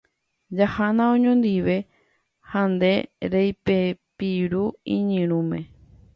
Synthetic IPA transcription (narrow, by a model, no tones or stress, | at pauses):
d͡ʒahanãõɲõnd̪iʋe̞ | hãnd̪e̞ɾejpepiɾuĩɲɨ̃ɾ̃ũmẽ̞